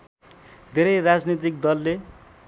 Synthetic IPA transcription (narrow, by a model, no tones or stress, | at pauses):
d̪ʱeɾʌjrad͡znit̪̬ik̚d̪ʌlːe